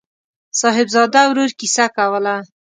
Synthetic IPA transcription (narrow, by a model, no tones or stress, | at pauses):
sɑɦɪbzɑd̪awɾoɾkisakawəla